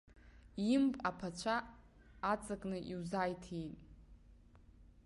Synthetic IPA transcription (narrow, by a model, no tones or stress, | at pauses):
impʼapʰat͡ʃʷʰaː | t͡sʼakʼnɨʔiwzajtʰitʼ